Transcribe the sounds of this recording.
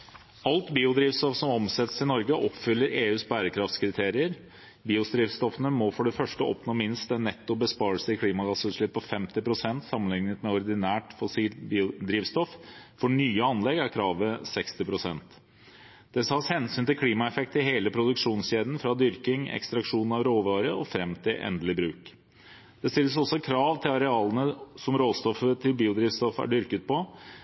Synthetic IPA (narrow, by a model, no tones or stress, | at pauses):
ɑlt̪biːʊd̪ɾiːʋst̪ɔfsɔmɔmsɛt̪əsɪnɔɾɡəʔɔpːfʏlːəɾeːʉːsbæːɾəkʰɾɑft̪skʰɾɪt̪ʰeːɾɪəɾ | biːʊsd̪ɾiːʋst̪ɔfənəmɔfɔɖɛfœʂʈəɔ̰pnoːmɪnst̪ɛnːɛt̪ːʊbəspɑːɾəlsəɪkʰliːmɑɡɑsʉʂɭɪppʰːɔfɛmt̪ɪpɾʊsɛnt̪sɑmənɪŋnət̪mɛɔɾd̪ɪnæːʈfɔsiːlbiːʊd̪ɾiːʋst̪ɔffɔɳyːəɑnlɛɡæɾkʰɾɑːʋəsɛkst̪ɪpʰɾʊsɛnt̪ | d̪̥ɛshɑshɛnsyːnt̪ɪlkʰliːmɑɛfɛk̚t̪əɪɦeːləpʰɾʊd̪ʉkʂuːnsɕeːd̪n̩fɾɑd̪ʏɾkɪŋɛ̰kst̪ɾɑkʂuːnn̩ɑʋɾoːʋɑːɾəɔfɾɛmt̪ʰɪlʔɛ̰nd̪əlɪbɾʉːk | d̪̥ɛst̪ɪlːəsɔsːɔkʰɾɑːʋt̪ʰɪlɑɾɛɑːlənəsɔmɾoːst̪ɔfət̪ʰɪlbiːʊd̪ɾiːʋst̪ɔfæ̰ɖʏɾkət̪̚pʰɔ